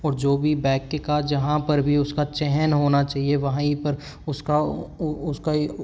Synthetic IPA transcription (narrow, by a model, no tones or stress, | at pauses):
ɔːɾd͡ʒoːbʱibɛːkːekad͡ʒɐɦãpɐɾbʱiʊskat͡ʃɛɦɛnɦoːnat͡ʃaːɦieʋɐɦãipɐɾ | ʊskaʊska